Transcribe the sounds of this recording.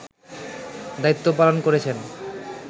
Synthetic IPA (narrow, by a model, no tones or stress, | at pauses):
d̪ait̪ːopalonkoɾet͡ɕʰen